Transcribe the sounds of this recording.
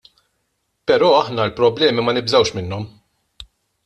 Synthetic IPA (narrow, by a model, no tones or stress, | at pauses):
pɛɾɔːɐħnɐlpɾɔblɛːmimɐnɪbzɐwʃmɪnːɔm